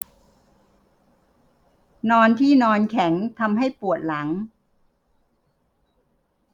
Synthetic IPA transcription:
nɔː˧nt̪ʰiː˥˩nɔː˧nkʰɛ˩˦ŋt̪ʰa˧mɦa˥˩jpu˨˩ət̪̚la˩˦ŋ

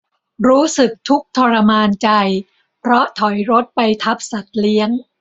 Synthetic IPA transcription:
ɾuː˦˥sɯ˨˩k̚t̪ʰu˦˥k̚t̪ʰɔ˧ɾa˧maː˧nt͡ɕa˧j | pʰɾɔ˦˥t̪ʰɔ˩˦jɾo˦˥t̪̚pa˧jt̪ʰa˦˥p̚sa˨˩t̪̚li˦˥əŋ

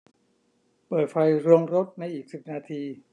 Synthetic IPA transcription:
pɤː˨˩t̪̚fa˧jɾu˧əŋɾo˦˥t̪̚na˧jʔiː˨˩k̚si˨˩p̚naː˧t̪ʰiː˧

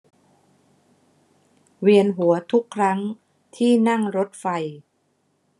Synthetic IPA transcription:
wi˧ənɦu˩˦ɐt̪ʰu˦˥kʰːɾa˦˥ŋ | t̪ʰiː˥˩na˥˩ŋɾo˦˥t̪̚fa˧j

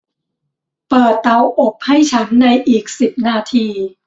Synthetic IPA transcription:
pɤː˨˩t̪ːa˧wʔo˨˩p̚ha˥˩jt͡ɕʰa˦˥nːa˧jʔiː˨˩k̚si˨˩p̚naː˧˩t̪ʰiː˧

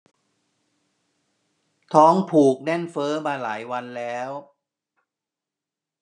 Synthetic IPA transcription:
t̪ʰɔː˦˥ŋpʰuː˨˩k̚nɛ˥˩nfɤː˦˥maː˧la̰ː˩˦jwa˧nlɛː˦˥w

